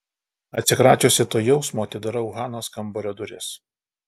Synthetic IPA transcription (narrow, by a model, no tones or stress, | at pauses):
ɐt̪ʲsʲɪkɾɑːt͡ʃʲoːsʲɪt̪oːjɛʊsmoːt̪ʲɪd̪ɐɾɐʊɣɑːnoːskɐmbɔɾʲɔd̪ʊɾʲɪs